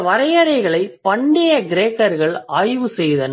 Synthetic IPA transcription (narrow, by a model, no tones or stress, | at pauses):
ʋɐɾɐjɐɾɐɪɣɐɭɐɪpɐɳɖejɐɡɪɾeːkːɐɾɣɐɭɐːjʋɯsɛjðɐn